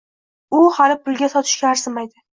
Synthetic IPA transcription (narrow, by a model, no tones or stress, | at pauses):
ʊhalɪpʰʊlˠɡʲasɒt̪ʰɪ̥ʃkʲaːɾsɪmajd̪ɪ